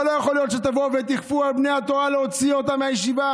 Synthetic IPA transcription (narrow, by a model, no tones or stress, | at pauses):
lojeχo̞ljo̞t̪ʃet̪avo̞vet̪iχfualbnejhat̪o̞ʁaleot͡sio̞t̪ameajeʃiva